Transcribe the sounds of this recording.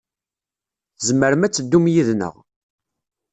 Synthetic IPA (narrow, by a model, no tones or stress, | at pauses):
θzmːəɾəmæt͡sːəd̪ːumjiðnə̰ʁ